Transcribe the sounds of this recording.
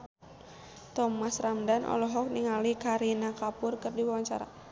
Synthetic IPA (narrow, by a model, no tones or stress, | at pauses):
t̪ɔmasramdanʔɔ̰lɔɦɔk̚niŋalikaɾinakapʊrkɨrdiwawaɲt͡ʃa̰ɾa̰